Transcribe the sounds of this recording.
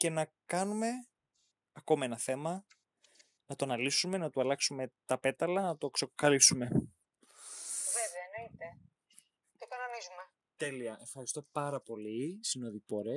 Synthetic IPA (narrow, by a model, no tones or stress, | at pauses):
ce̞nɐ | kɐnume̞ | ɐko̞mɐenɐθe̞mɐ | nɐt̪onɐlisume̞nɐt̪uɐlɐksume̞t̪ɐpe̞t̪ɐlɐnɐt̪o̞ksokokɐlisume̞ | veveɐenoit̪e | t̪okɐnonizume | t̪e̞liɐʔefxɐɾist̪o̞pɐɾɐpo̞lisinoðipoɾe